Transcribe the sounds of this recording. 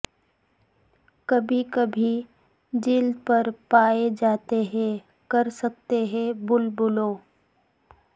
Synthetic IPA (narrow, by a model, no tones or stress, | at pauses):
kɐbʱikɐbʱi | d͡ʒiːld̪pɐɾpaːed͡ʒaːt̪eɦɛ̃ | kɐɾsɐk̚t̪eɦɛ̃bʊlbʊloː